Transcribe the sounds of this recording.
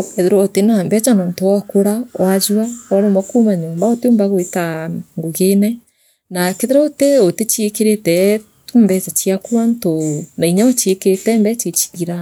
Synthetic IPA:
keðeɾɔotenambɛt͡ʃanɔntoɔkoɾawazuaɔɾomɔkumaɲoːmbaoteombaɣwetaŋɡoɣenɛ | nakeðeɾɔoteotet͡ʃekeɾetɛ | tombɛt͡ʃat͡ʃiakuɾantonaiɲaɔt͡ʃekeɾetɛmbɛt͡ʃet͡ʃi̥ɣiɾa

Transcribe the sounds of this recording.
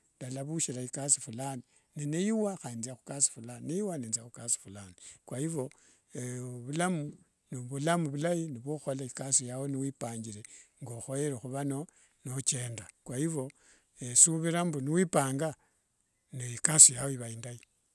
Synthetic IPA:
dalaβuʃiɾaikasifulani | nenejiwaxainziaxu̥kasi̥fulannejiwaneːnziaxukasi̥fulaːnikwaiβo̞ | eβulamu | niβulamuβulajiniβoxolaikasijawoniwiːpaːɲɡiɾeŋɡoxo̞jeɾexuβano̞ | not͡ʃe̞ːndakwajiβo̞ | esuβiɾambuniwipaːŋɡa | niikasijawoiβaindai

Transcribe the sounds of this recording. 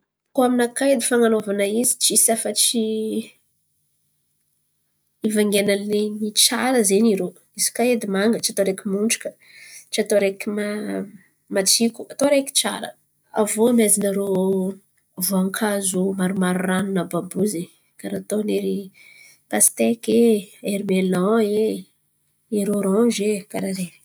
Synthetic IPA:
koaminakajd̪ifaŋanovanəizi̥t͡ʃisafət͡ʃi | ivaŋɡenalenit͡ʃaɾəzeniɾo | izi̥kaed̪imaŋɡət͡ʃiat̪oɾekʲimuɳɖ͡ʐu̥kə̥ | t͡ʃiat̪oɾekʲima | mat͡sikuat̪oɾekʲi̥t͡ʃa̰ɾə̰ | a̰vomajzinaɾo | vuaŋkʰazumaɾumaɾuranunəbabuze | kaɾat̪oneɾi | t̪ast̪ekeeɾmelɔ̃e | iɾoɾɔ̃ʒekaɾaɾei̥

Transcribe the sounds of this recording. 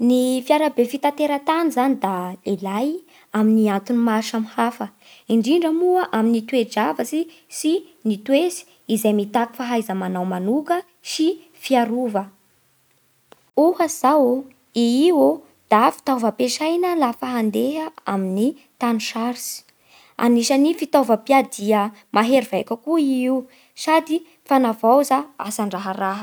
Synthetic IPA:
nifiaɾabefit̪at̪eɾət̪anizanid̪alelaj | aminiant̪unimaʃamhafə | iɳɖ͡ʐiɳɖ͡ʐəmuəʔaminit̪wed͡ʒavəsi | sinit̪wesi̥ | izejmit̪aki̥faɦajzəmanawmanukə | si | fiaɾuvə | uhaz̥aw | iiwo | d̪̥afi̥t̪ovəpeʃajnəlafaɦand̪eɦəamini | t̪aniʃaɾisi̥ | a̰niʃənifit̪ovəpiad̪iə | mʔaɦeɾivajkəkuiiw | sad̪i | fanavawzaa̰saɳɖ͡ʐaɦəɾaɦə

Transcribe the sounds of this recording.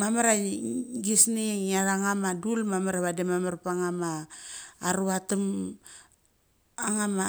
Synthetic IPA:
mamaɾaɡisniŋaɾaŋamadulmamaɾaβademamaɾpaŋamaː | ɾuatum | aŋama

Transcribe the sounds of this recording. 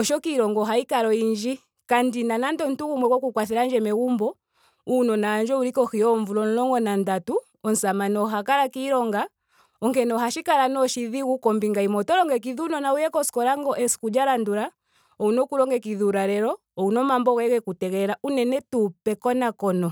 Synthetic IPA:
ɔʃɔkiɾɔŋɡɔɦaikaɾɔiɲd͡ʒi | kandinanandɔn̩tukumwɛkwɔkukwaθɛɾaɲd͡ʒɛmɛɣumbɔ | unɔnaːɲd͡ʒɔulikɔkiɔɱvulɔn̩lɔŋɡɔnandatu | ɔn̩samanɔɦakalakiːɾɔŋɡa | ɔŋkɛnɔɦaʃikalanɔʃiðiɣukɔmbiŋɡaimɔtɔlɔŋɡɛk̬iðunɔnaujɛkɔskɔlaŋɡɔʔɛsi̥kud͡ʒaɾanduɾa | ɔunɔkulɔŋɡɛkiðuɾaɾɛɾɔ | ɔunɔmambɔɣɛkɛkutɛɣɛlaunɛnɛtupɛkɔnakɔnɔ

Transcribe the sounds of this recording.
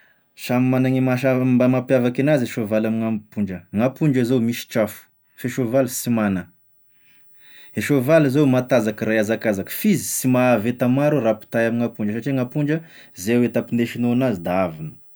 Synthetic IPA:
samimanaŋimaambamapjavakinazeʃovalamiŋampuɳɖ͡ʐəŋapuɳɖ͡ʐəzomiʃi̥ʈ͡ʂafu̥ | feʃovalisimanə | eʃovalizewmat̪azakəɾajazakazakə̥fizi̥simaːvet̪amaɾurapi̥t̪ajamiŋapuɳɖ͡ʐəsaʈ͡ʂiŋapuɳd͡ʒəzewet̪apineʃinoanazid̪aavinə̥

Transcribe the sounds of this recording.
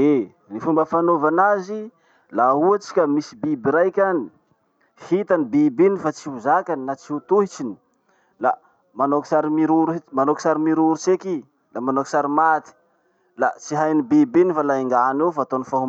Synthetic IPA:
e | nifumbəfanovanazi | lauat͡si̥kʲəmisibibiɾajkʲani | hit̪anibibinifat͡siuzakaninat͡siut̪uɦit͡ʃini̥ | la | manoksaɾimiɾuɾmanoki̥saɾimiɾuɾut͡seki | lamanoki̥saɾimat̪i̥ | la̰t͡siɦajnibibenifalaiŋɡanefaːt̪onifaɦum

